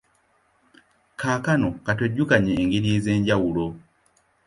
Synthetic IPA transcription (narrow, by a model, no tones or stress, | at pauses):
kʰaːkanokatweɟːukaɲeːŋɡilizeːɲɟawulo